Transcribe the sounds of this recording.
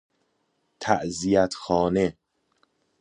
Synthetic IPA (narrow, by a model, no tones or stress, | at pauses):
t̪ʰæʔzijæt̪ʰxɒːne̞